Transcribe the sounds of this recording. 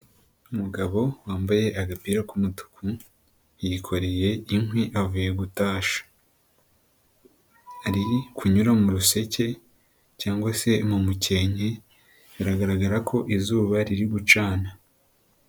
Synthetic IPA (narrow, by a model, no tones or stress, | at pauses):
umuɡaβo̞waːmbaje̞ʔaɡapiːɾakumutu̥kʰu | jikʰo̞ɾeje̞iŋhwiʔavuje̞ɡutaːʃḁ | aɾikuɲuɾamuɾuse̞ce̞ | caːŋɡwase̞mumuce̞ːɲe | βiɾaɡaɾaɡaɾakʰo̞ʔizuːβaɾiɾiɡut͡ʃaːna